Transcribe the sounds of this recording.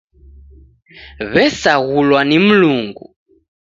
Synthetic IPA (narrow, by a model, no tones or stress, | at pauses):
βɛsaɣulwanim̩luŋɡu